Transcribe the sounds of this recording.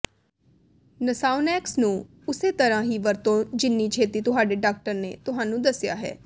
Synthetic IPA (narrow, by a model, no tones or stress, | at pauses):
nəsaːʊnɛːksnũː | ʊseːt̪əɾãːɦiːʋəɾt̪õːd͡ʒɪnːiːt͡ʃʰeːt̪iːt̪ʊɦaːɖeːɖaːk̚ʈəɾnḛːt̪ʊɦãːnũːd̪əsɪja̰ːɦɛ̰ː